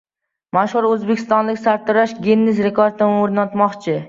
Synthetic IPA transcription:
maʃhʊɾɵzbekʲʰɪst̪ɒnlɪkʲsaɾt̪ʰːʊɾaʃɡʲenːɪsɾekʰoɾt̪ʰɪmɪoɾnat̪mɒqt͡ʃʰɪ

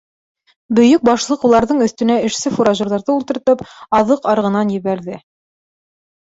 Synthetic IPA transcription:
bɵ̆jɵk̚bɑʃlˠɤqulˠɑɾðɤɴɵ̆θt̪ɵ̆næɘ̆ʃsɘfuɾaʒŏɾðɑɾðɤulˠt̪ɤ̆ɾt̪ɤpɑðɤqɑɾʁɤ̆nɑnjɘ̆βæɾðɘ

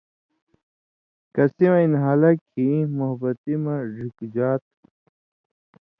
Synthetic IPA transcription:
kɐsimɐinɦaːlɐkʰimoɦbɐt̪imɐɾikd͡ʑaːt̪̚

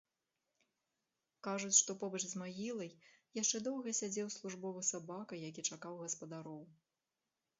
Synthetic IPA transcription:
kaʐut͡sʲʂt̪ɔpɔbɐt͡ʂzmaɣʲilˠɐjjaʂt͡ʂɛd̪ɔwɣɐsʲad͡zʲɛwslˠuʐbɔvɨsabakɐjakʲit͡ʂakawɣɐspɐd̪aɾɔw

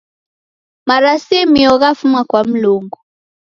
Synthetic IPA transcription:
maɾasimiɔɣafumwakwam̩luŋɡu

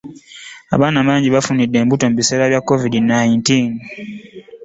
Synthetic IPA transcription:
a̰βaːnaβaːɲɟiβafunidːe̞ːmbuto̞muβise̞ːɾaβjakːo̞vidinajintiːn

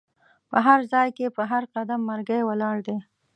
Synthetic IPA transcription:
pəɦaɾzɑjkepəɦaɾqad̪amːaɾɡəjwəlɑɽd̪e

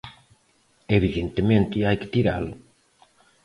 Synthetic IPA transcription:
eβiðent̪emẽnt̪ɪajkɪ̥t̪iɾa̰lo

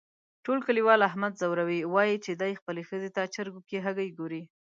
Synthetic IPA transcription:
ʈolkəliwɑlaɦmad̪zawɾawiwɑjit͡ʃed̪ajxpəlexəzet̪at͡ʃəɾɡokeɦaɡajɡoɾi

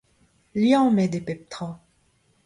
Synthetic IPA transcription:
ljɑ̃mɛd̪epɛp̚t̪χɔ̃

